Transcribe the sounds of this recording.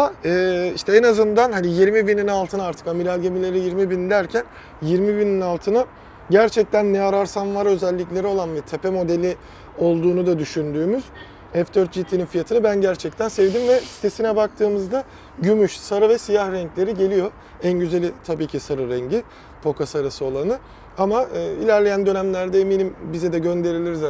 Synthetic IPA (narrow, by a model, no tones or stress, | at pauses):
aaɛːiʃt̪ɛɛnazɯnd̪anɦanijiɾmibininalˠt̪ʰɯnaɾt̪ʰɯ̥kamiɾalʲɟemilʲe̞ɾijiɾmibind̪æɾcʰæn | jiɾmibininalˠt̪ʰɯnɯ | ɟæɾt͡ʃʰɛc̚t̪ʰænːɛaɾaɾsanvaɾø̞zɛlʲːiclʲe̞ɾio̞lˠanvɛt̪ʰe̞pʰemo̞d̪e̞lʲi | o̞lˠd̪uːnud̪ad̪yʃynd̪yːmyz̥ | ɛfd̪øɾt̪̚d͡ʒit̪ʰːininfijat̪ʰɯnɯbænɟæɾt͡ʃʰɛc̚t̪ʰænsevd̪imvɛsi̥t̪ʰe̞sinɛbak̚t̪ʰɯːmɯzd̪a | ɟymyʃsaɾavɛsijahɾɛɲclʲe̞ɾiɟe̞lʲijo̞ | ænɟyze̞lʲit̪ʰabiːcʰisaɾɯɾɛɲɟi | pʰo̞kasaɾasɯo̞lˠanɯ | amaɯːilʲæɾlʲe̞jænd̪ø̞næmlʲæɾd̪ɛeminʲimbizɛd̪ɛɟø̞nd̪e̞ɾilʲiɾiz